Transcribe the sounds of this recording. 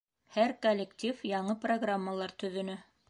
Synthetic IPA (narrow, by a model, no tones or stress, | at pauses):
hæɾkolʲːekt̪ʲifjɑɴɤproɡramːəlˠɑɾt̪ɵ̆ðɵ̆nɘ